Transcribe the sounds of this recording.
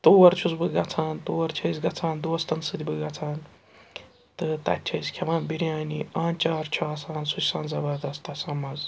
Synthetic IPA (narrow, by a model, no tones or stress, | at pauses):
t̪oːwɐɾt͡ʃʰusbɨɡɐt͡sʰaːnt̪oːwɐɾt͡ʃʰɐjsʲɡɐt͡sʰaːnd̪oːɐst̪ɐnsɨd̪ʲibɨɡɐt͡sʰaːn | t̪ɨt̪ɐ̰t̪ʲt͡ʃʰɐjskʲʰɐʋaːnbiɾʲjaːniaːnt͡ʃaːɾt͡ʃʰuaːsaːnsut͡ʃsãːnzɐbɐɾd̪ɐst̪ɐsɐmɐz